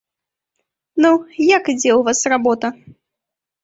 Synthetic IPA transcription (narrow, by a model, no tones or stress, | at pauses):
nujakid͡zʲɛwvasrabɔt̪ɐ